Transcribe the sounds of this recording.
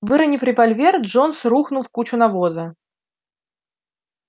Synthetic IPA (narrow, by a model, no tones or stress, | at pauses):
vɨɾɐnʲifɾʲɪvɐlʲvʲerʐo̞nsɾuxnʊlˠfkut͡ɕʊnɐvozə